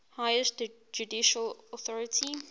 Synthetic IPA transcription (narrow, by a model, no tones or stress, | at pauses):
haɪəst | d͡ʒudiʃəlɔθɔɹətʰi